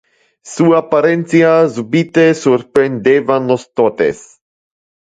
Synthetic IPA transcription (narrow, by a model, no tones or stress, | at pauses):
suapaɾent̪sjazubit̪esuɾpɾend̪evanlost̪ot̪ḛs